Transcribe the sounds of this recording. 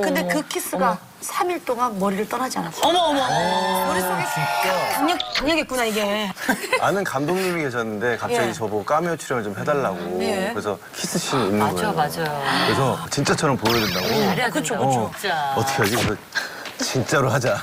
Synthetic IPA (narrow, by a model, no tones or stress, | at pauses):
kɯnde̞kɯkʰis͈ɯɡa | sʰamiɭt͈oŋanmʌɾiɾɯɭt͈ʌnɦad͡ʑianas͈ʌmʌːmʌkɾet͡ɕit͡ɕakaŋɲʌk̚kaŋɲʌɡet̚k͈unaiɡe̞ | anɯnkamdoŋɲimike̞ɕʰʌnːɯnde̞kap̚t͡ɕ͈aɡit͡ɕʌbok͈amiʌt͡ɕʰuɾjʌmɯɭt͡ɕomɦe̞daɭːaɡokɯɾesʰʌ | kʰis͈ɯɕ͈ʰiinːɯnɡʌd͡ʑajokɯɾesʰʌt͡ɕint͡ɕ͈at͡ɕʰʌɾʌmpoʌdwendaɡoaɾakɯt͡ɕʰoɯot͡ɕaʌtʰʌkʰead͡ʑikesʰʌ | t͡ɕint͡ɕ͈aɾoɦad͡ʑa